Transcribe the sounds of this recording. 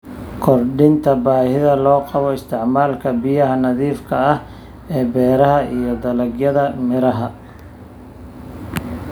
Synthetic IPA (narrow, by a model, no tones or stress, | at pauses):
kʰɔrɖɪnt̪ʰɐbaːhɪðɐlɔːqɑβɔɪst̪ʰɪʕmaːlkʰɐbɪjɐɦɐnɐðiːfkʰɐɐh | ɛːbɛːɾɐɦɐʔijɞd̪ɐlɐɡjɐðɐmɪɾɐɦɐ